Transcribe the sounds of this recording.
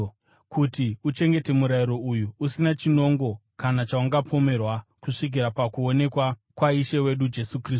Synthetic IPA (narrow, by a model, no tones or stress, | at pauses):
kʰutiut͡ʃe̞ŋɡe̞te̞muɾaiɾo̞ujuusinat͡ʃino̞ŋɡo̞kanat͡ʃauŋɡapʰo̞me̞rwakuʂik̬iɾapakuo̞ne̞kwakwaiʃewe̞ɗud͡ʒe̞sukriːs